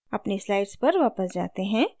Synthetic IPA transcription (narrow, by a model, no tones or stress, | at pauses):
ɐpneslaːɪɖspɐɾʋaːpəsd͡ʒaːt̪eɦɛ̃ː